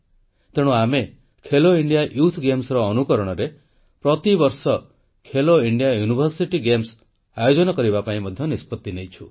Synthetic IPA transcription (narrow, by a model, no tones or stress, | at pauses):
t̪eɽ̃ũame | kʰeloiɳɖijaʔjut̪ʰɡemsɾɔːnukɔɾɔɽ̃ɔɾe | pɾɔt̪ibɔɾsɔ | kʰeloiɳɖijajunibʱɔɾsiʈiɡems | ajod͡ʒɔnɔkɔɾibapaĩmɔd̪ʱjɔnispɔt̪ːinejt͡ʃʰu